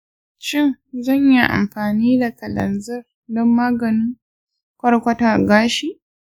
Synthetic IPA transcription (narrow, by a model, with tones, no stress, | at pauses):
ʃɪ˦ŋzɐ˦˨ɲji˦ʔa̰˨mɸaː˨niː˦da˨kɐ˨lɐ̰˨nzɐ˦r | dɔ˦mːaː˦ɡɐ˨nɪ˦ŋ | kʷɐ˦ɽkʷɐ˦taː˨ɡaː˦ʃi˦˨ʔ